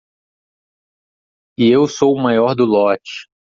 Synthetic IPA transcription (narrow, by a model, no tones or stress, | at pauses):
ɪewsowmajɔɾd̪ʊlɔt͡ʃɪ̥